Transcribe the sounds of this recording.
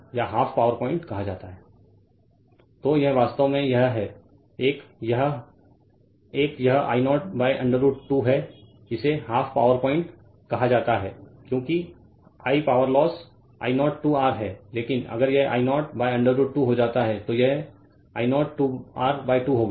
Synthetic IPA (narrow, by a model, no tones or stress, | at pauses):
jɐɦaːfʰpaːʋəɾpɔ̃ːɪ̃ɳʈkɐɦad͡ʒaːt̪aɦɛː | t̪oːjɐɦʋaːst̪əmẽjɐɦɦɛ | eːkjɐɦ | eːkjɐɦa̰ːɪnɔːʈ̚baːɪʔɐ̃ɳɖəɾuːʈʈuɦɛ | ɪseɦaːfpaːʋəɾpɔ̃ːɪ̃ɳʈ | kɐɦad͡ʒaːt̪aɦɛ̰ːkjõːki | aːipaːʋəɾlɔːs | a̰ːɪnɔːʈʈuːaːɾɦɛːleːkɪnɐ̰ɡəɾjɛɦʔa̰ːɪnɔːʈ̚baːjɐ̃ɳɖəɾːuːʈʈːuɦod͡ʒaːt̪aɦɛt̪ojɛɦ | a̰ːɪnɔːʈʈuːaːɾbaːɪʈuːɦoːɡa